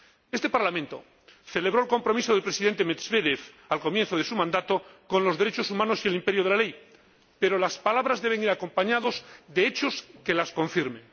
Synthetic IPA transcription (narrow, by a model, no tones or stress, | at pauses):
e̞st̪e̞paɾlamẽnt̪o̞̰ | θe̞le̞β̞ɾo̞elko̞mpɾo̞mis̬o̞ð̞elpɾesiðe̞nt̪emezβe̞ðeθ | alko̞mjenθoð̞e̞sumãnd̪at̪o̞ko̞nlo̞zðe̞ɾe̞t͡ʃo̞sumãnosie̞limpe̞ɾjoð̞elale̞j | pe̞ɾo̞laspalaβɾazðe̞β̞e̞ŋiɾako̞mpaɲaðo̞zðeet͡ʃoske̞lasko̞ɱfiɾmẽ